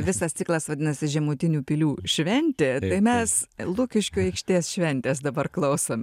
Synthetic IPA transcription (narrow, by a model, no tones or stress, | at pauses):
ʋʲɪsɐst͡s̪ʲɪklˠɐsʋɐd̪ʲɪnɐsʲɪʒʲɛmuːt̪ʲɪnʲuːpʲilʲuːʃʲʋʲɛnʲt̪ʲeːt̪ɐɪmʲɛslˠʊkʲɪʃʲkʲuːɛɪkʃʲt̪ʲiɛsʃʲʋʲɛnʲt̪ʲeːs̬d̪ɐbɐrklˠɐʊsom